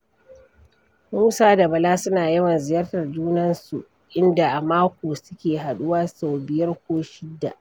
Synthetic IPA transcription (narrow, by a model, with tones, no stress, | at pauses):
muː˦saː˦da˨bɐ˨laː˦sʊ˦naː˨jɐ˦wɐ˨nzɪ˨jɐ˦rtɐ˨rd͡ʒuː˦nɐ˦nsu˨ | ʔɪ˦nda˨ʔa˨maː˦kʷoː˨sʊ˦kʲeː˨ɦa˨ɗʊ˦waː˦sa˨wbɪ˨jɐ˦rkʷoː˦ʃɪ˦dːa̰˨ʔ